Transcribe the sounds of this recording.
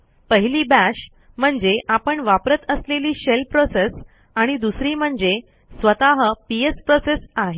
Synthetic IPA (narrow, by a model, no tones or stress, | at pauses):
pəɦiliːbæɕ | m̤əɳd͡zeʔapəɳʋapɾət̪əsleliːɕelpɾoses | aɽ̃id̪usɾiːm̤əɳd͡ze | sʋət̪aɦəpiespɾosesaɦe